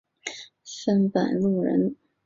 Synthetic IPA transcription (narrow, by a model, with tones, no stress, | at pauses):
ʂə˥npə̰˨˩nlu˥˩ɻə̰˧˥n